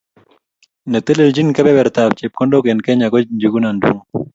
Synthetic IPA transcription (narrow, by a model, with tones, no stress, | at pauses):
nə˨t̪e˦le˨ld͡ʒi˦nkɛ˦bɛ˦bɛ˨ɾt̪a˨bt͡ʃe˨p̚kɔ˦ndo˦kɛ˨nkɛ˦ɲa˨kɔ˦d͡ʒu˨ɡu˦na˨ndṵ˦ŋ